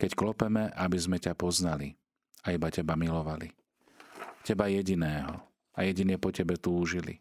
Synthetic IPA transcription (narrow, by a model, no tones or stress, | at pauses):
kɛcklɔpɛmɛʔabizmɛcapɔznali | aibacɛbamilɔʋalḭ | cɛbajɛɟinɛːɦɔ̰ | a̰jɛɟinɪɛpɔcɛbɛt̪uːʒilḭ